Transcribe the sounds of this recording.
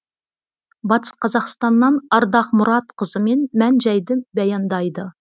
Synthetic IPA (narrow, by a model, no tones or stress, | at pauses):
bɑt̪ə̥sqʰɑzɑqst̪ɑnːɑnɑɾd̪ɑqmʊɾɑt̪qʰəzəme̞nmænʒæjd̪əbɑjɑnd̪ɑjd̪ə